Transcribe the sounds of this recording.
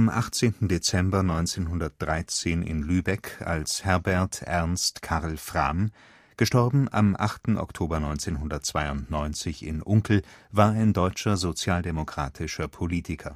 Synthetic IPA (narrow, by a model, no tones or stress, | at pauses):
ʔamʔa̰χt͡seːntn̩det͡sɛmbɐnɔʏnt͡seːnɦʊndɐt̚d̥ʁaɪt͡seːnɪ̰nlyːbɛka̰lshɛɐbɛɐtʔɛɐnstkʰaʁl̩fʁ̥am | ɡ̥əʃtɔɐbm̩ʔa̰mʔaχtn̩ʔɔ̰ktʰoːbɐnɔʏnt͡seːnɦʊndɐtt͡sv̥aɪʊntnɔʏnt͡sɪçɪ̰nʔʊŋkl̩vaːɐaɪndɔʏt͡ʃɐzot͡sjaːldemokʁ̥aːtʰɪʃɐpʰoliːtʰɪkʰɐ